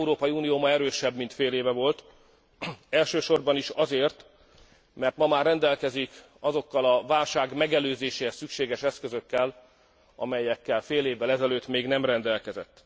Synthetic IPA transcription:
uɾoːpɒjiuːnijoːmɒɛɾøːʃɛbmint̪feːleːvɛvo̞lt̪ | ɛlʃøːʃo̞rbɒniʃɒzeːrt̪ | mɛrt̪mɒmaːrːɛnd̪ɛlkɛzik | ɒzo̞kːɒlɒvaːlʃaːɡmɛɡɛløːzeːʃesykʃeːɡɛʃɛskøzø̞kːɛl | ɒ̰mɛjɛkːɛlfeːleːvːɛlɛzɛløːt̪ːmeːɡnɛmrɛnd̪ɛlkɛzɛ̰t̪ː

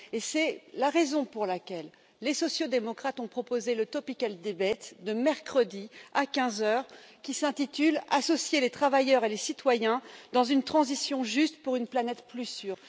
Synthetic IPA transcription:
esɛlaʁezɔ̃puʁlakʲɛlː | esɔsjod̪emɔkχat̪ɔ̃pχɔpozelət̪ɔpikald̪ebɛt̪d̪əmɛʁkχəd̪iakʲɛ̃zœʁkʲisɛ̃t̪it̪ylasɔsjelet̪χavajœʁelesit̪wajɛ̃d̪ɑ̃zynt̪χɑ̃zisjɔ̃ʒyst̪puʁynplanɛt̪plysyːʁ

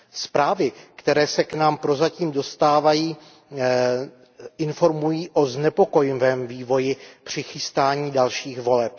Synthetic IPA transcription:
spɾaːvɪkt̪ɛɾɛːsɛknaːmpɾo̞zaciːmdo̞st̪aːvajiː | ʔɪnfo̞ɾmujiːʔo̞znɛpo̞ko̞jɪvɛːmviːvo̞jɪpr̝̥ɪxɪst̪aːɲiːdalʃiːxvo̞lɛp̚

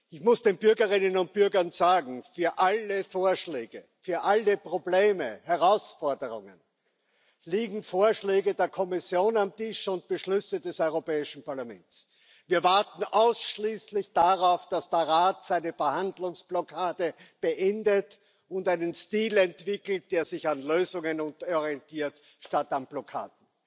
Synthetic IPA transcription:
ʔɪçmʊsd̥eːnbʏɐɡɐʁɪnənʊnt̚b̥ʏɐɡɐnzaːɡŋ̩fyːɐʔaləfoːɐʃlɛːɡə | fyːɐʔaləpʁ̥obleːməhɛɐʁaʊsfɔɐdəʁʊŋə̰n | liːɡŋ̩foːɐʃlɛːɡədeːɐkʰɔmɪsjoːnamtɪʃʊnt̚b̥əʃlʏsədɛsɔʏʁopɛːɪʃn̩pʰaɐlamɛ̰nts | v̥iːɐvaɐtn̩ʔaʊsʃliːslɪçd̥aʁaʊfd̥asd̥eɐʁaːtz̥aɪnəfɛɐhandlʊŋsb̥lɔkʰaːdəb̥əʔɛndət | ʊntaɪnənstiːlɛntv̥ɪkl̩t̚d̥eːɐzɪçanløːzʊŋənʊntɔʁiɛntʰiːɐt | ʃtatanb̥lɔkʰa̰ːdn̩

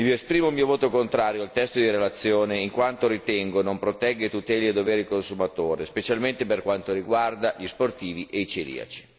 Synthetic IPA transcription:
ioespɾiːmoulmiːovoːt̪okont̪ɾaːɾjoalt̪ɛst̪od̪iɾelat̪sːjoːneiŋkwant̪oɾit̪ɛŋɡonompɾot̪ɛɡːet̪ut̪ɛːlied̪oveːɾikonsumat̪oːɾespet͡ʃalment̪eperkwant̪oɾiɡward̪aʎisport̪iːviʔeit͡ʃelḭːa̰t͡ʃi̥

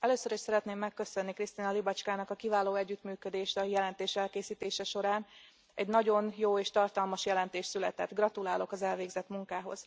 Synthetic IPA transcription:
ɛløːsøɾiʃsɛɾɛt̪neːmːɛkːø̞sø̞nːikrist̪inɒlibɒt͡ʃkaːnɒkɒkivaːloːɛɟːyt̪myːkød̪eːʃt̪ɒjɛlɛnt̪eːʃɛlkeːsiːt̪eːʃɛʃo̞ɾaːn | ɛɟnɒɟo̞njoːeːʃt̪ɒrt̪ɒlmɒʃjɛlɛnt̪eːʃsylɛt̪ɛ̰t̪ɡrɒt̪ulaːlo̞kɒzɛlveːɡzɛt̪muŋkaːɦo̞̰z̥

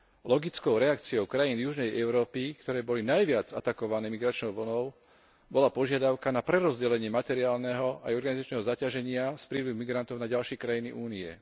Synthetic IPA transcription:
lɔɡit͡skɔʊɾɛakt͡siɔʊkɾajiːnjuʒnɛjʔɛʊɾɔːpikt̪ɔɾɛːbɔlinajʋɪad͡za̰t̪akɔʋanɛːmiɡɾat͡ʃnɔʊʋl̩nɔʊ | bɔlapɔʒɪad̪aʊkanapɾɛɾɔzɟɛlɛɲɪɛmat̪ɛɾiaːlnɛɦɔajɔɾɡanizat͡ʃnɛɦɔzacaʒɛɲɪaspɾiːluɦmiɡɾant̪ɔʊnaɟalʃɪɛkɾajinḭʔuːniɛ̰

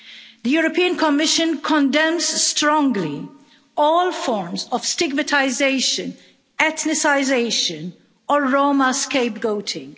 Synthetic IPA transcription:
d̪əjuːɾɔpiːə̃nkʰɔmɪʃə̃nkʰɔ̃ndɛ̃mz̥stɾɔ̃ŋɡli | ɔːlfɔɹmzɔv̥stɪɡ̚mətʰaɪzeɪʃə̃n | ɛt̪nɪsaɪzeɪʃə̃n | ɔːoːmaskeɪp̚ɡoʊtʰɪ̃ŋ

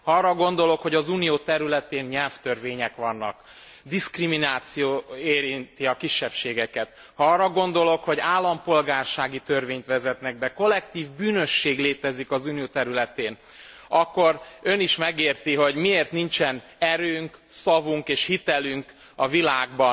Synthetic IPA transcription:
hɒɒːrɒɡo̞n̪d̪o̞lo̞kho̞ɟɒzuːnijoːt̪ɛɾylɛt̪eːnɲɛlft̪ørveːɲɛkʋɒnːɒ̰k | d̪iskriminaːt̪sijoːeːɾint̪iɒkiʃːɛpʃeːɡɛkɛt̪ | hɒɒːrːɒɡo̞nd̪o̞lo̞kho̞ɟaːlːɒmpo̞lɡaːrʃaːɡit̪ø̞rveːɲt̪ʋɛzɛt̪nɛɡ̚bɛko̞lɛk̚t̪iːvbyːnø̞ʃːeːɡleːt̪ɛzikɒzuːnijoːt̪ɛɾylɛt̪eːn | ɒkːo̞ɾø̞niʃmɛɡeːrt̪iɦo̞ɟmieːrt̪nint͡ʃɛn | ɛɾøːŋksɒvuŋkeːʃhit̪ɛlyŋk | ɒvilaːɡbɒ

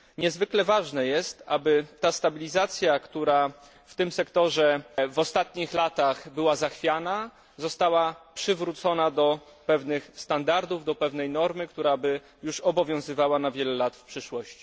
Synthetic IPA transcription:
ɲɛzvɘklɛvaʐnɛjɛst̪abɘt̪ːast̪abʲilʲizat̪sʲjakt̪uɾa | ft̪ɘmsɛkt̪ɔʐɛvɔst̪at̪ɲixlat̪axbɘwazaxfʲjana | zɔst̪awapʂɘvɾut̪sɔnad̪ɔpɛvnɘxst̪and̪aɾd̪uvd̪ɔpɛvn̪ɛjnɔɾmɘkt̪uɾabɘ | juʂɔbɔvʲjɔ̃w̃zɘvawanavʲjɛlɛlat̪fpʂɘʂwɔɕt͡ɕi̥

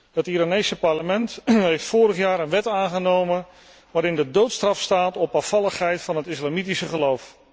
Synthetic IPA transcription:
hətiɾaːnejsəpɑɹləmɛntɦejftfoːɾəχjaːɾənʋɛtaːnχənowmən | ʋaːɾɪndədowtstrɑfstaːtɔpafɑlˠəχɦɛjtfɑnɦətɪslaːmitisəχəlowf

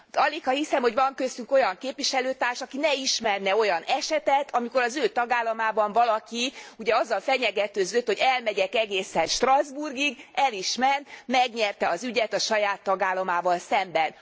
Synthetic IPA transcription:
ɒlikhɒhisɛmho̞ɟʋɒŋkøst̪yŋko̞jɒŋkeːpʋiʃɛløːt̪aːrʃɒkinɛiʃmɛrnɛo̞jɒnɛʃɛt̪ɛt̪ʰɒmiko̞ɾɒzøːt̪ɒɡaːlːɒmaːbɒɱvɒlɒkiuɟɛɒzːɒlfɛɲɛɡɛt̪øːzøt̪ho̞ɟɛlmɛɟɛkɛɡeːsɛnʃt̪rɒzburɡiɡɛliʃmɛrnmɛɡɲɛrt̪ɛɒzyɟɛt̪ɒʃɒjaːt̪ːɒɡaːlːɒmaːvɒlsɛmbɛn

